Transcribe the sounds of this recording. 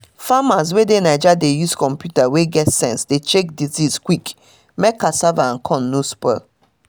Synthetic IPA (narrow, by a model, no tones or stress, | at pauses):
famaz̬wedenaɪd͡ʒadejuskɔ̃mpjutaweɡɛtsɛ̃nsdet͡ʃek̚dizizkwik | mɛkːasavaãnkʰɔ̃nːuspɛ̰